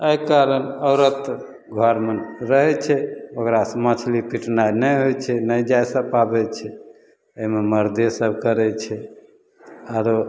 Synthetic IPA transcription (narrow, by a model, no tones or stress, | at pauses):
əjkaɾənəʊɾət̪ | ɡʱɔɾmənɾəɦɛt͡ʃʰɛokɾasmət͡ʃʰlipiʈnajnɛjɦojt͡ʃʰɛnəjd͡ʒajsə̃pabɛt͡ʃʰɛ | əimeməɾd̪esəbʱkəɾɛt͡ʃʰɛ | aɾo